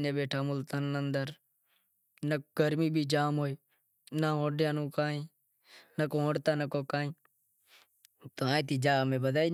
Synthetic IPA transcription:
nẽːbeːʈʰaːmʊlt̪ənːənd̪əɾ | nəɡəɾmĩːbʱiːd͡ʒaːmɦoːiː | naɦõːɖjãːnũːkaːĩː | nəkõːɦõːɽt̪aːnəkoːkaːĩː | t̪oːãːt̪iːd͡ʒaːmẽːbəd̪aːiː

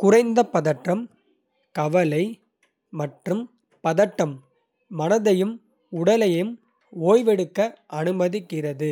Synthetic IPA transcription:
kʊrɐɪnd̪ɐpɐðɐʈːɐm | kɐʋɐlɐɪ | mɐʈrɯm | pɐðɐʈːɐmː | ɐnɐðɐjɯm | ʊɽɐlɐjɯm | oːjʋɛɽɯkːɐʔɐnɯmɐðɪkːɪrɐðɯ

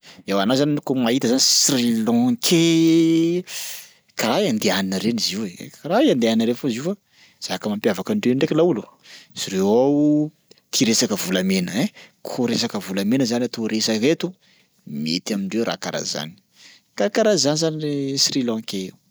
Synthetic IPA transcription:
ewanazanikomait̪əzanisrilɔ̃kʰe | kaɾaiand̪eaninəɾeniziwḛkaɾaiand̪eaninəɾefoziufa | z̥akəmampjavakaɳɖ͡ʐeɳɖ͡ʐekilauluz̥iɾewaw | t̪ʰiɾesakəvulamenəɛkʰoɾesakəvulamenəzanat̪oɾesaket̪u | miḛt̪amiɳɖ͡ʐewɾa̰ka̰ɾa̰za̰ni̥ | kakaɾazanizaniesrilɔ̃keew

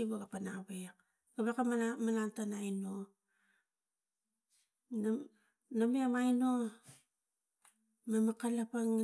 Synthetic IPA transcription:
iβaɡapanaβeak | ɡaβakamamanantanajno | n | namiamajno | mamakalapaŋ

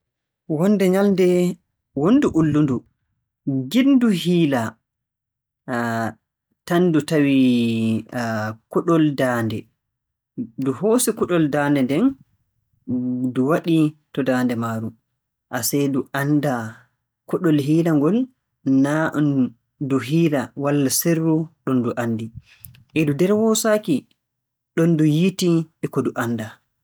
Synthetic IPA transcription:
wɔnːdɛɲaldɛ | wonːduʔulːundu | ɡinduhiːla | tanːdutawi | kɔɗɔldaːndɛ | duhoːsikɔɗɔldaːndɛndɛn | duwaɗitɔdaːndɛmaːɾu | ʔasɛduʔanda | kɔɗɔlɦiːlaŋɡɔl | naʔn | duɦiːlawalːaserːuɗɔnduʔandi | ʔɛdudɛɾwɔsaːki | ɗɔndujitiɛkɔduʔanda

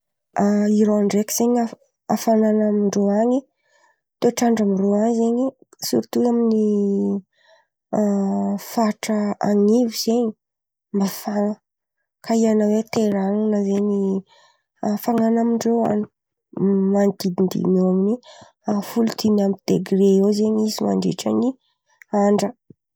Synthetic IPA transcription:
aiɾoaɳɖ͡ʐeki̥z̥eɲa | afananamiɳɖ͡ʐoaɲi | t̪oʈ͡ʂaɳɖ͡ʐamiroazeɲi | suɾt̪uamini | faʈ͡ʂəaŋiviz̥eɲi̥ | mbafaŋə | kaianawet̪eɾaŋunəzeni | faŋanamiɳɖ͡ʐea̰ni̥ | mant̪id̪ind̪ḭnoamini | afulut̪ʰinamid̪̥eɡreozeɲizima̰ɳɖ͡ʐḛʈ͡ʂa̰ɲi | aɳɖ͡ʐə

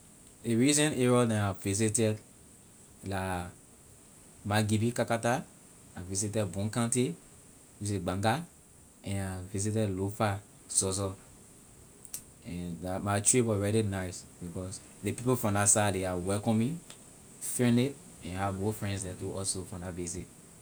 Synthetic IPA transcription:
deɹizɛ̃neɹɔnɛ̃naviz̬itɛd | la | maɡibikakata | avisitɛdbũŋkãnti | vizitɛɡ͡bãŋɡa | ɛ̃navizit̬ɛdlofa | sɔzɔ | ɛ̃ndamatɹiwɔɹɛɾinasbikɔs | depipofɹɔ̃dasadeawɛlkɔ̃mĩ | finet | ɛ̃nahavmofɹɛ̃nsdɛtuʔɔlsofɔ̃davizit̚

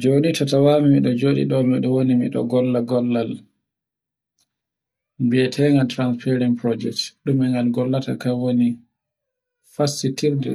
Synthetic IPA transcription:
d͡ʒoːnitatawamimiɗɔd͡ʒoːɗḭɗɔmiɗɔwonimḭɗɔ̰ɡɔlːaɡɔlːal | biɛtʰɛŋɡaltɾanspɛɾinpɾɔd͡ʒɛk̚tɗumɛŋɡalɡɔlːata̰kawoni | fasːitiɾdɛ̰

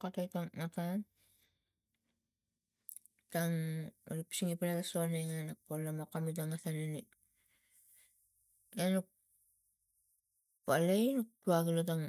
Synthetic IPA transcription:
katajtaŋːatan | taŋo̰ɾipi̥siŋipalatasuanejŋanak̚polːamokamit̬aŋasanini | enuk | palejnuk̚tuaɡilot̬aŋ

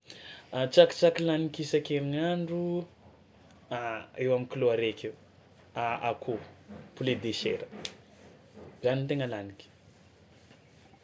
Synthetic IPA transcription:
at͡saki̥t͡sakilanikisakeɾiŋaɳɖ͡ʐu | aewamikiloaɾekʲe | aakʰopuled̪eʃeɾə̥ | b̥zanit̪eŋəlanikʲi̥

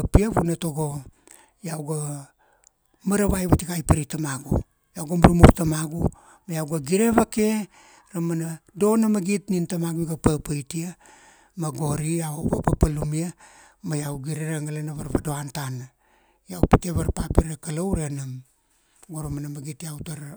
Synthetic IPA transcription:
piaβunatoɡo | jawɡa | maɾaβajβatiɡajpaɾitamaɡṵ | jawɡamuɾumuɾtamaɡu | majawɡaɡiɾe̞βake̞ | ɾamanado̞namaɡitnintamaɡuɡapapajtia | maɡo̞ɾiawoβa̰papalumia | majawɡiɾe̞ɾaŋalenaβaɾβado̞antana | jawpite̞βaɾpapiɾakalawɾenam | ɡoɾamanamaɡitiawtaɾ

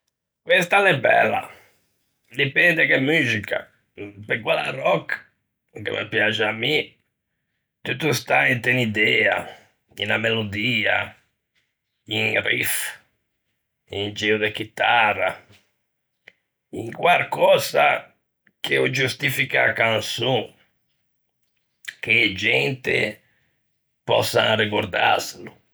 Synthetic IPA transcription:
kwɛst̪alɛbɛ̰lːa̰ | d̪ipɛnd̪ɛkemyːzika̰ | pekwala̰rɔk | kḛmʔḛpjat͡ʃamːi | t̪ut̪ːust̪aint̪ɛnid̪ɛːa̰ | ḭnamelod̪iːa̰ | iŋrḭf | ind͡ʒɛud̪ek̟it̪arːa̰ | iŋkwalkɔza̰ | kʰeɔd͡ʒust̪ifikaːkansu | k̟ed͡ʒɛnt̪ɪ̰ | pɔ̰sa̰rikoɾd̪a̰selʊ

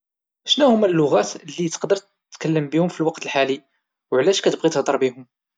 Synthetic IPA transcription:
ʔʃnæhʊmælːʊɣæt̪lːit̪ə̥qd̪əɾt̪ | t̪ːkəlːəmbihʊmfilwɑqt̪əlħali | wʕlæʃkæt̪əbʁit̪əhd̪ˤɑɾˤbihʊm

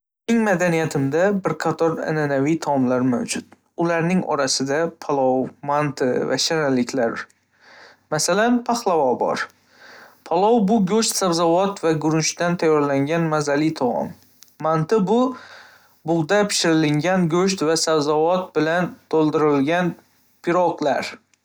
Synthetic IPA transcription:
ɪŋmad̪anijat̪ʰɪmd̪abɪɾqʰɑt̪ʰɒɾa̰nanavijt̪ʰɒmlaɾma̰wd͡ʒʊt̪ | ʊlaɾnɪŋɒ̰ɾasɪd̪apʰɒlˠɒwmant̪ʰɪva̰ʃanalːɪkʲlaɾ | masalanpʰaχlˠavɒbɒ̰ɾ | pʰɒlˠɒwbʊɡɵʃt̪savzavɒt̪vaɡʊɾnʃt̪ant̪ʰajːɒɾlaŋɡʲanmazalɪt̪ʰɒɒ̰mː | ant̪ɪbʊ | bʊʁd̪apʰɪ̥ʃɪɾɪlɪŋɡʲanɡɵʃ̬t̪vasawzavɒt̪̚bɪlant̪ʰolˠd̪ɪɾɪlɡʲan | pʰɪɾɒqlaɾ

